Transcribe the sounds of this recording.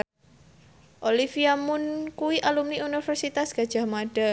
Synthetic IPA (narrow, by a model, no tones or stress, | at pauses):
ʔolifiamʊnkuwiʔalumniunifərsit̪asɡ̥ad̥ʒ̥ahmada